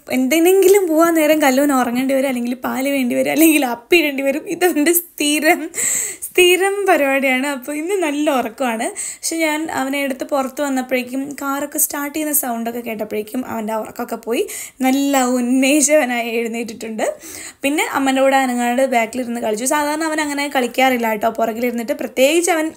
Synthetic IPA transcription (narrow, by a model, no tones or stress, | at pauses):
end̪eneŋɡilumpoːʋaːne̞ːɾɐmkɐlːoʋɐnorɐŋːeːɳɖiʋɐɾumɐlːe̞ŋɡilpaːliʋe̞ːɳɖiʋɐɾumɐlːe̞ŋɡilɐpːiʋe̞ːɳɖiʋɐɾumiðɐʋɐndest̪iːɾɐmst̪iːɾɐmpɐɾubaːɽijaːɳɨɐpːoːinːɨnɐlːɐorɐkːumaːɳɨpɐkʂeɲaːnɐ̰ʋɐneːɽut̪ːɨpurɐt̪ːɨʋɐnːɐpːeɽikʲːumkaːrokːestaːrʈːijinːɐsɐwɳɖo̞kːe̞ke̞ːʈ̬ːɐpːeɻikʲːumʔɐ̰ʋɐndeɔrɐ̰kːo̞kːe̞po̞ːjinɐlːɐunːeːɕɐʋɐnaːjɐɻunːeːʈ̬ːiʈːuɳɖɨ | pinːe̞ʔɐmːɐndeuːɽeɐnɐŋːaːnɽɨbjaːkːiliɾunːɨkɐɭit͡ɕːus̬aːd̪ʱaːɾɐɳɐʋɐnɐŋːɐnaːjkɐɭikʲːaːrilːaːjiʈːɨɐpːorɐkːiliɾunːiʈːɨprɐt̪je̞ːɡit͡ɕːɨɐʋɐn